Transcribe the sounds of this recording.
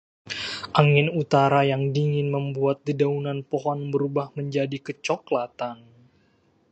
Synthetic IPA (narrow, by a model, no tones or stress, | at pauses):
ʔaŋɪnut̪aɾajaŋdiŋɪnməmbuat̪̚didaunanpoɦɔnbəɾubahməɲd͡ʒadikət͡ʃɔklat̪an